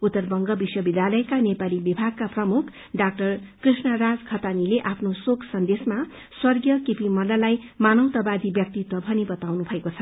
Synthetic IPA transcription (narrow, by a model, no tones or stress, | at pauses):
ut̪ːʌrbʌŋɡʌbiswʌbid̪ʱjalʌjkanepalibibʱaɡ̚kaprʌmukʰ | ɖak̚ʈʌrkrisnʌɾad͡zɡʰʱʌt̪anileʔapʰnosokʰsʌnd̪esma | swʌrɡjʌkepimʌlalajmanʌwt̪ʌbad̪ʱibjʌk̚t̪it̪ʌbʱʌnibʌt̪awnubʱʌekot͡sʰʌ